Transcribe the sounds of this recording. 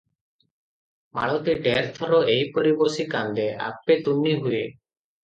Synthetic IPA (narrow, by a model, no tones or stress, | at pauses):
ma̰ɭɔt̪iɖɛɾt̪ʰɔɾɔejpɔɾibɔsikand̪ɛa̰k̚pet̪unːiɦuje